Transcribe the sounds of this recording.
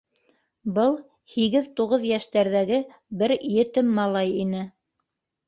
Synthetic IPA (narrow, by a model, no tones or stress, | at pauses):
bɤlˠ | hiɣɘðt̪uʁɤðjæʃt̪æɾðæɡɘ | bɘɾjɘ̆t̪ɘmːɑlˠɑjinɘ